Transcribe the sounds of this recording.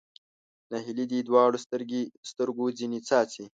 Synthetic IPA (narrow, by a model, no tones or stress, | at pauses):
naɦilid̪id̪wɑːɽosɾst̪əɾɡod͡zinit͡sɑːt͡si